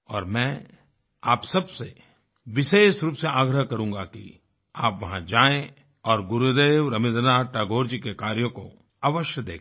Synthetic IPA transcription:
ɔːɾmɛ̃ː | aːpsɐbse | ʋɪʃeːʃɾuːpseaːɡɾəɦkɐɾũːŋɡakḭ | aːpʋɐɦãd͡ʒaːẽ | ɔːɾɡʊɾud̪eːʋɾɐmɪd̪naːɾʈaɡoːɾd͡ʒikekaːɾjõko | aːʋəʃjəd̪eːk

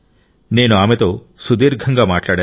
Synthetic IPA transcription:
nenɔamet̪o | sud̪eɾɡʱaŋɡamaʈlaɽe

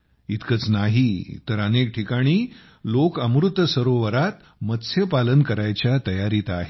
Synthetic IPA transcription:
it̪kət͡snaɦit̪əɾənek̚ʈʰikaɽ̃iː | lokəmɾut̪ːəsəɾoʋəɾat̪ | mət̪sjəpalənkəɾajt͡ɕjat̪əjaɾiːt̪aɦe

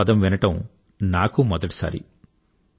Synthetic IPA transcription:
ɐd̪ɐmʋinɐʈɐm | naːkumɔd̪ɐʈi̥sa̰ːɾḭ

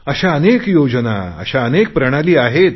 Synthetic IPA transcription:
əɕaənekjod͡ʑna̰ə̰ɕaənek̚pɾəɽ̃aliːaɦet̪̚

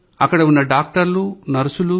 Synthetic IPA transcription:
ɐkːɐɽɐunːɐɖaːk̚ʈɐɾlunɐɾusulu

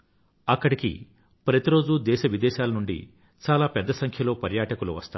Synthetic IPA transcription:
ɐkːɐɽikḭ | pɾɐt̪iɾo̞ːd͡ʒud̪ɛːʃɐʋid̪ɛːʃaːlɐnuɳɖḭ | t͡ʃaːlaːpɛd̪ːɐsɐŋkʰjɐlo̞ːpɐɾjaːʈɐkulṵʋɐ̰st̪a̰ː

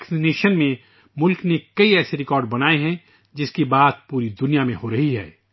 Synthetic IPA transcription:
ksineːʃənmẽ | mʊlknekɐiɛːseɾɪkɔːɾɖ̚bɐnaːeɦɛ̃ | d͡ʒɪskibaːt̪̚puːɾid̪ʊnijamẽɦoɾɐɦiɦɛ̰ː

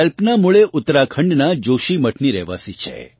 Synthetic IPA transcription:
əlpnamuɭeʔʊt̪ːɾakʰə̃ɳɖnad͡ʒoʃiməʈʰniɾɛ̰ʋa̰sit͡ʃʰḛ

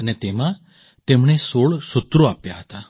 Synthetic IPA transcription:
ənet̪emã | t̪emɳ̃esoɭsʊt̪ːɾoapjaɦət̪a

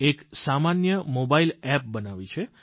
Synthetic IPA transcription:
eksamanjəmobailɛp̚bənaʋit͡ʃʰe

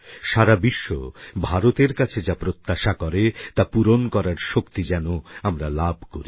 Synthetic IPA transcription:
ʃaɾabiʃːo̰bʱaɾot̪eɾkat͡ɕʰed͡ʑapɾot̪ːaʃakɔɾet̪apuɾonkɔɾaɾʃokt̪id͡ʑɛnoamɾalabʱkoɾi

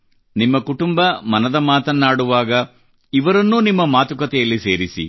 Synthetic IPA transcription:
nimːɐkuʈumbɐmɐnɐd̪ɐmaːt̪ɐnːaːɽuʋaːɡɐ | iʋɐɾɐnːuːnimːɐmaːt̪ukɐt̪ɛjɐlːise̞ːɾisḭ

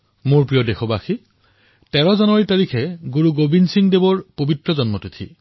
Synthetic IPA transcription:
moɹpɹijɔdexɔbaxi | tɛɹɔzɔnɔɹitaɹikʰɛɡuɹuɡobinsiŋdebɔɹpobitɹɔzɔnmɔtitʰi

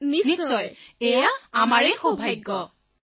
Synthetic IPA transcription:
nnisɔjejaamaɹɛxobʱajɡːɔ

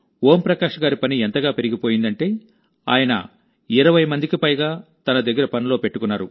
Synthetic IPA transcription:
oːmpɾɐkaːʂɐɡaːɾipɐnient̪ɐɡaːpe̞ɾiɡipo̞ːjind̪ɐɳʈe̞ː | a̰ːjɐnɐ̰ | iɾɐʋɐjmɐnd̪ikipɐjɡaːt̪ɐnɐd̪ɐɡːɐɾɐpɐnilo̞ːpe̞ʈːukunːaːɾu

